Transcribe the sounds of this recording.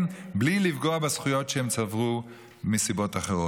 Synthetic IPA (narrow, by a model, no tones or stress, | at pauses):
mblilivɡoabesχujo̞tʃehemt͡savʁu | misibo̞taχeʁo